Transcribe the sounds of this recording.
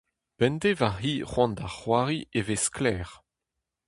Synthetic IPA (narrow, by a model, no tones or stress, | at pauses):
b̥ɛndevaɦiːʁwɑ̃nd̪aχwaːʁievesklɛːʁ